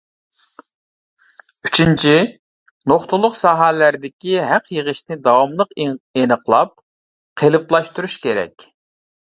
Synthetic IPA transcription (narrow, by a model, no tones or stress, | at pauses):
yt͡ʃʰint͡ʃʰi | noχt̪ʊlˠːʊqsɑːɦælæɾd̪ɪkʲiɦæqjəʁəʃnɪd̪ɑwɑmlˠəqenəqlˠɑp̚ | qʰelˠɨplˠɑʃt̪uɾuʃkʲeɾɛ̰kʲ